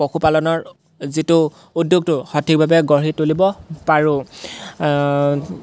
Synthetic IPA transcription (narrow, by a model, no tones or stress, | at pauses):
ɔxupalɔnɔɹ | zitʊ | udjoɡ̚tʊxɔtʰik̚bʱabɛɡɔɹitolibɔpaɹʊ̃